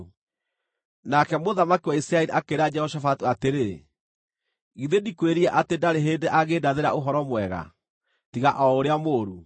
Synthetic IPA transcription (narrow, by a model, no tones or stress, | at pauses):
nakɛmoðamakiwaisiɾaɛɾiʔakeɾad͡ʒɛhɔʃafatuateɾe | ɣiðedikweɾiɛʔatendaɾeɦeːndeʔaɣedaðeɾaoɦɔɾɔmwɛɣa̰ | tiɣaʔɔoɾeamoːɾu